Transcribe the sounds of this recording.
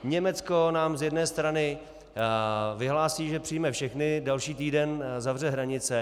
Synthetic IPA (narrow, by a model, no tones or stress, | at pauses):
ɲɛmɛt͡skonaːmzjɛdnɛːst̪ɾanɪ | vɪɦlaːsiːʒɛpr̝̥ɪjmɛfʃɛxnɪdɛlʃiːt̪iːdɛnzavr̝ɛɦɾaɲɪt͡sɛ